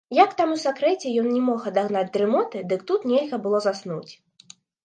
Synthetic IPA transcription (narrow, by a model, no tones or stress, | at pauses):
jakt̪amusakɾɛt͡sʲɛjɔnnʲɛmɔxɐd̪aɣnad͡zʲd̪ɾɨmɔt̪ɨd̪ɨkt̪ut̪nʲɛlʲɣɐbɨlˠɔzasnut͡sʲ